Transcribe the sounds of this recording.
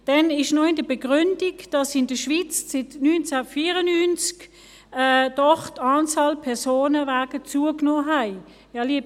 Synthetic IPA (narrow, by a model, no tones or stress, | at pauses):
d̥ɛnɪʃnɔɪndəbeɡ̥ʁʏnd̥iɡd̥ɑsɪndəʃʋit͡st͡sɪtnyːnt͡safiːʁənynt͡sk | ɛd̥ɔχtɑːnt͡sɑːlpʰɛɐsoːnəvaːɡ̥ət͡suəknoːɦæɪ | jɑːliəb